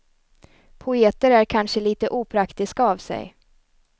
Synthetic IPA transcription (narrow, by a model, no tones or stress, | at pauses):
pʰʊeːt̪əɾæɾkʰanʂəliːt̪əʔuːpʰɾakt̪ɪskaɑːvsɛ̰j